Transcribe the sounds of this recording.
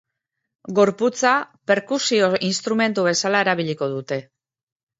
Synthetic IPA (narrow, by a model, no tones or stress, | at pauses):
ɡo̞ɾput͡sape̞ɾkusio̞inst̪ɾume̞nt̪uβ̞e̞salae̞ɾaβ̞iʎiko̞ðut̪e̞